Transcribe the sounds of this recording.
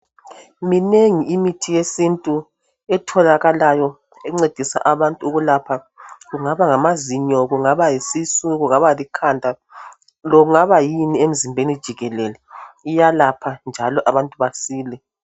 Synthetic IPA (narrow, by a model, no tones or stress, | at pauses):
mineŋiimitʰijesintʼu | ɛtʰɔlaɣalajɔ | ɛuŋ͡ǀed̥ʱisa̰ʔaβantʼuuɣulapʰa | ɣuŋaβaŋamaziɲɔɣuŋaβajisisuɣuŋaβalikʰandʱa | lɔɣuŋaβajiniem̩zimbʱenid̥ʒ̥ʱiɣɛlɛlɛijalapʰand͡ʒʱalɔʔaβantʼuβasiːlɛ